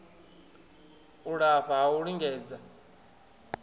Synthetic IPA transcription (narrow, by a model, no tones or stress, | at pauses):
uɺaɸaɦauɺiŋɡɛːd͡za